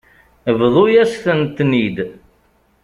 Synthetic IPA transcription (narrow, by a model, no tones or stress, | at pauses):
vðˤojæsθənt̪ːnid̪